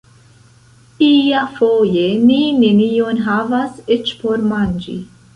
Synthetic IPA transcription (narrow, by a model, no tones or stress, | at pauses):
iafojeninenijonɦavasit͡ʃpoɾmand͡ʒḭ